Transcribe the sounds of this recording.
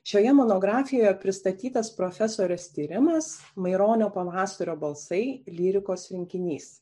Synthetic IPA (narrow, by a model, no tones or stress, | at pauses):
ʃʲoːjɛmoːnoːɡɾɑːfʲɪjoːjɛpʲɾʲɪst̪ɐt̪ʲiːt̪ɐspɾoːfʲɛsoːɾʲɛst̪ʲiːɾʲɪmɐsmɐɪɾoːnʲoːpɐʋɑːsɐɾʲoːbɐlˠsɐɪlʲiːɾʲɪkoːsɾʲɪŋʲkʲɪnʲiːs